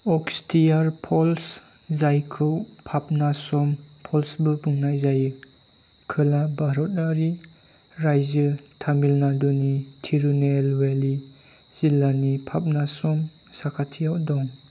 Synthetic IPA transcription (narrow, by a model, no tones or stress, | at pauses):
ɔkstʰijaɾpʰɔlszajkʰɯwpʰap̚nasɔmpʰɔlsbɯbuŋnajzajɯ | kʰɯlabaɾɔt̚aɾi | ɾajzɯtʰamilnadɔnitʰiɾunelweliz̥ilanipʰap̚nasɔmsakʰatʰijawdɔŋ